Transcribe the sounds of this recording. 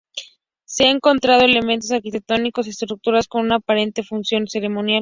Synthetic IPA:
seaeŋko̞nt̪ɾað̞o̞ele̞ment̪os̬aɾkit̪e̞k̚t̪o̞niko̞s̬iest̪ɾuk̚t̪uɾasko̞nunaːpaɾe̞nt̪e̞funsjo̞nse̞ɾe̞mo̞njal

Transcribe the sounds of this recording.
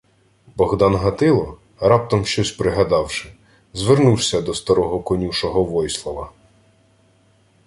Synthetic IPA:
bɔɣd̪ɑnɦɐt̪ɪlˠɔ | ɾɑp̚t̪ɔmʃt͡ʃɔsʲpɾɪɦɐd̪ɑwʃɪ | zʋernuwsʲɐd̪ɔst̪ɐɾɔɦɔkɔnʲuʃɔɦɔʋɔjslˠɔʋɐ

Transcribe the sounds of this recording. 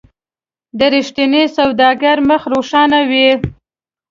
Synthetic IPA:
d̪əɾiʃt̪inesawd̪ɑɡaɾməxɾoʂɑnawi

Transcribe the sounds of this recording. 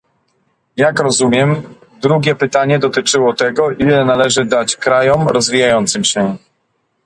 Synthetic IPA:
jakɾɔzumʲjɛm | d̪ɾuɡʲɛpɘt̪aɲɛd̪ɔt̪ɘt͡ʂɘwɔt̪ɛɡɔʔilɛnalɛʐɘd̪at͡ɕkɾajɔmɾɔzvʲijajɔnt̪sɘmɕɛ

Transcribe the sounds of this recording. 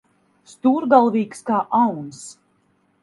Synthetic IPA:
st̪uːɾɡalˠviːkskaːʔawns

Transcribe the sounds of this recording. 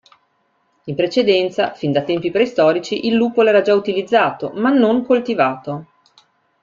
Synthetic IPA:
impɾet͡ʃed̪ɛnt̪safind̪at̪ɛmpipɾɛst̪ɔːɾit͡ʃiʔilːuːpoɛːɾad͡ʒaut̪ilid̪zːaːt̪omanːoŋkolt̪ivaːt̪o

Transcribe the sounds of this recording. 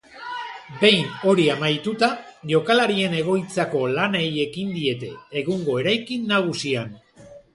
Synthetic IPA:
be̞jno̞ɾiamajt̪ut̪aʝo̞kalaɾie̞ne̞ɣ̞o̞jt͡sako̞laneje̞kind̪ie̞t̪e̞ːɣuŋɡo̞e̞ɾajkinːaɣ̞usian

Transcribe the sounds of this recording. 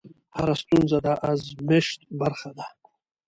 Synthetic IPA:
haɾast̪unzad̪aʔazmeʃt̪̚baɾχad̪a

